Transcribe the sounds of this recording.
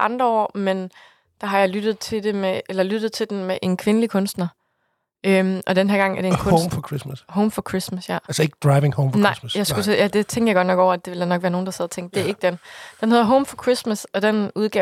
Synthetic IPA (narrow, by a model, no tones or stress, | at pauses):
ʔɑ̈nd̥ʁɐɒ̰ːmen | d̥ɑ̈ɦɑ̈jɑ̈ɪlyd̥ð̩ˠt͡sʰe̝d̥e̝meʔelɐlyd̥ð̞̩ˠt͡sʰe̝ld̥enmeʔe̝nkʰʋe̝nəlikʰɔ̽nsd̥nɐ | ømʔɒ̽d̥enɦæɐ̰ɡ̥ɑ̈ŋ̰æɐd̥ekʰɔ̽mfɒkʰʁismæshoʊmfɒkʰʁismæsjæælsəe̝ɡ̥əd̥ʁɑ̈ɪʋeŋhoʊmfnɑ̈ɪ̰sjɑ̈ɪsɡ̥uejæd̥e̝t͡sʰeŋɡ̥ɐjaɡɒ̥̽nɒ̽ɡ̥ɒ̰ʊ̰ɐæd̥e̝ʋe̝ld̥ænɒɡ̥ʋæːɐnoːnd̥ɑsɛðˠɐt͡sʰeŋ̰d̥d̥e̝æɐe̝ɡ̥̚d̥end̥enɦe̝ð̞ˠɐɦɔʊmfɒ̽kʰʁismæsɒ̽d̥enuðˠɡ̥ɛ